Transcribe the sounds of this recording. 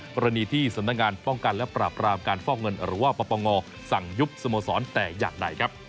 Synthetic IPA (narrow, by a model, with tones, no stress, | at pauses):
kɔː˧ɾa˧niː˧t̪ʰiː˥˩sa˨˩˦mna˦˥k̚ŋaː˧npɔ˥˩ŋka˧nlɛ˦˥pɾaː˨˩pɾaː˧mkaː˧nfɔː˥˩k̚ŋɤ˧nɾɯː˩˦waː˥˩pɔː˧pɔː˧ŋɔː˧ | sa˨˩ŋju˦˥p̚so˧moː˧sɔː˩˦nt̪ɛː˨˩ja̰ː˨˩ŋda̰˧jkʰa˦˥p̚